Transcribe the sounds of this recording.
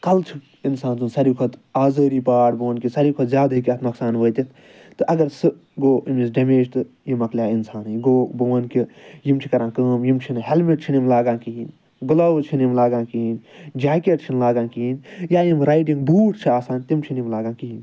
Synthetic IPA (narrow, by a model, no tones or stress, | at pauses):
kɐlt͡ʃʰi | insaːnzunsɐɾiːkʰɐt̪aːzəːɾiːpaːʈbuʋɐnkisɐɾiːkʰot̪zʲjaːd̪ɦikʲɐt̪noksaːnʋəːt̪ʲit̪ʰ | t̪ɨʔɐɡɐɾsɨ | ɡoːimis̬ɖʲɐmeːd͡ʒt̪ɨ | jimɐkljaːinsaːnjɡoːbuʋɐnkijimt͡ʃʰikɐɾãːkəːmjimt͡ʃʰinɦelmiʈ̚t͡ʃʰinimlaːɡãːkiɦin | ɡulɐwt͡ʃʰinjimlaːɡãːkiind͡ʒaːkeʈt͡ʃʰinlaːɡãːnkiinjaːjimɾaːiʈĩŋɡbuːʈt͡ʃʰiaːsaːnt̪imt͡ʃʰinimlaːɡãːnkiɦin